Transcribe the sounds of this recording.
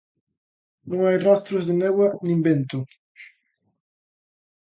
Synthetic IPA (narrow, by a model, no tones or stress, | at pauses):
nũŋajrɔst̪ɾuzd̪enewanĩmbent̪u